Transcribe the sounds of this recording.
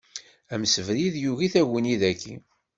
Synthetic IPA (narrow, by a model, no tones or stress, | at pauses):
æməsəvɾiðjuɣiθæʝəniðækʰːi